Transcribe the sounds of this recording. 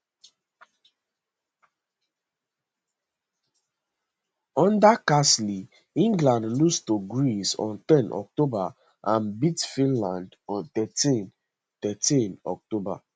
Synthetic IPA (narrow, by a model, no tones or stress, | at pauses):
ɔ̃ndakasli | ĩŋɡlãndlustoɡɹisɔ̰̃nt̪ɛ̃nɔ̰k̚toba | ʔãnbitfĩnlãndɔ̃nt̪ɛtĩn | t̪ɛtĩnɔ̰k̚toba̰